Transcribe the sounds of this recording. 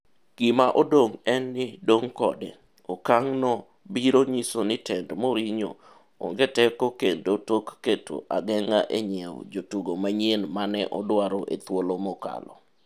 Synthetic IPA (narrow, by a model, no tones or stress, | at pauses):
ɡ̥ɪmaʔodoŋɛnːɪdoŋkɔdɛ̰ | okaŋnɔ | biɾoɲisonɪtʰɛndmoɾiɲo̰ | o̰ŋɡetɛkokendotokːeto̰ʔaɡɛŋaʔeɲɛw̰d͡ʒotuɡomaɲenmanɛʔɔdwaɾɔʔḛt̪wolomɔka̰lɔ̰